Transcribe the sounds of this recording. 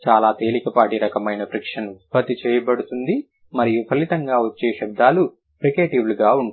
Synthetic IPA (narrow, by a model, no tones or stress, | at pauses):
t͡ʃaːlaːt̪e̞ːlikɐpaːʈiɾɐkɐmɐjnɐpɾikʂɐnupːɐt̪ːit͡ʃɛːjɐbɐɽut̪und̪i | mɐɾijupʰɐlit̪ɐŋɡaːʋɐt͡ʃːeːʃɐb̪ːaːlu | pɾikeːʈiʋluɡaːuɳ